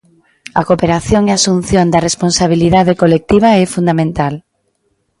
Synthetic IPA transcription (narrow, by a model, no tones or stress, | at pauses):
ɐkopeɾaθjoŋeasun̟θjond̪ɐresponsaβ̞iliðaðekolek̚t̪iβ̞aɛfund̪amẽnt̪al